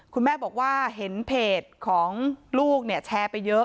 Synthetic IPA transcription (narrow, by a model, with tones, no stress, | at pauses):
kʰu˧nmɛː˥˩bɔː˨˩k̚waː˥˩ɦe˩˦npʰeː˨˩t̪̚kʰɔː˩˦ŋluː˥˩k̚ni˥˩ɐt͡ɕʰɛː˧pa˧jːɤ˦˥